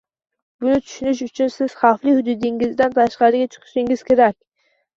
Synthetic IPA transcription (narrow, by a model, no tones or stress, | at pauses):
b̥ʊnɪt̪ʰʊ̥ʃɪnɪʃ̬ʊt͡ʃʰʊnsɪz̥χɑflˠihʊd̪ʊd̪ɪŋɪzd̪ant̪ʰaʃqɑɾɪɡʲat͡ʃʰɨ̥qʰɨ̥ʃɪŋɪz̥kʲʰeɾakʲ